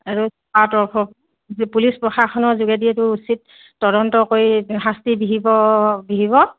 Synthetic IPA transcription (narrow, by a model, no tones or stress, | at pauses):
aɹusɔatɔɔ | pulispɹɔxakʰɔnɔzuɡɛdiɛtʊusitː | ɔdɔntɔkojɦastibiɦibɔbiɦibɔ